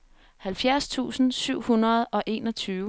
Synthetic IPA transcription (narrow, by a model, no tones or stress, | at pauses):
hælfjæɐst͡sʰṵːsn̩syʊ̰hunʁɐð̞̩ˠʔɒ̽ʔe̝̰ːnɒ̽t͡sʰyːʊ